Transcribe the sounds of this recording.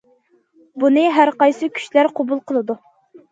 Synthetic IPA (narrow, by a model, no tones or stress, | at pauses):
bunɨɦæɾqɑjsɨkʲʰy̥ʃlæɾqʰobulˠqʰəlˠɨd̪u